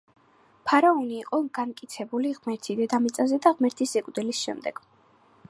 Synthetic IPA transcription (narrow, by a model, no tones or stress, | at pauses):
pʰaɾaɔniːqʼɔɡ̥ankʼit̪sʰɛbuliʁmɛɾt̪ʰid̪ɛd̪amit̪sʼazɛd̪aʁmɛɾt̪ʰisɛkʼud̪ɛlisʃɛ̰md̪ɛ̰ɡ̥